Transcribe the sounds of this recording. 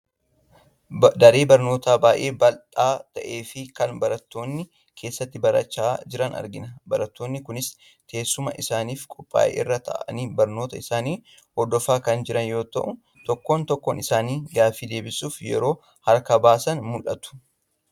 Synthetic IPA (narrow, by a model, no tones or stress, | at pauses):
d̪ɐɾe̞ːbɐɾno̞ːt̪aːbaːʔe̞ːbɐlᶑ̪aːt̪ɐʔe̞ːfɪkɐnbɐɾɐt̪ːo̞ːnːɪ | kʰe̞ːsːɐt̪ːɪbɐɾɐ̰t͡ʃːaːd͡ʒɪɾɐnɐ̰ɾɡɪnɐbɐɾɐt̪ːoːnːɪkʊnɪs | kʰe̞ːsːʊmɐʔɪsaːniːfkʼɔpʼːa̰ːʔḛːɪ̰rːɐt̪ʰɐ̰ʔɐ̰niːbɐɾnoːt̪ɐɪsaːniː | hɔd̪ːɔfaːkɐnd͡ʒɪɾɐnjo̞ːt̪ɐ̰ʔʊ | t̪ɔkːo̞ːnt̪ɔkːoːnɪsaːniːɡaːfiːd̪e̞ːbɪsuːfjɛ̰ɾo̞ː | hɐɾkɐbaːsɐnmʊlʔɐt̪ʊ̥